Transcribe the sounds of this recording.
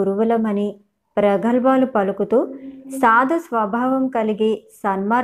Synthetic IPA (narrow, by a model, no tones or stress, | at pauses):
uɾuʋulɐmɐni | pɾɐɡʱɐlbaːlupɐlukut̪uːsaːd̪ʱɐsʋɐbʱaːʋɐmkɐliɡeːsɐnmaː